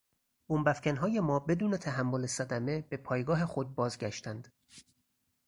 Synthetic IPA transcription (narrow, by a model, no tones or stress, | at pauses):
b̥umbæfcʰænɦɒːjemɒːbe̞d̪uːnet̪ʰæɦæmːolesæd̪æme̞b̥e̞pʰɒːjɡɒːɦexod̪̚bɒːzɟʲæʃt̪ænd̪̥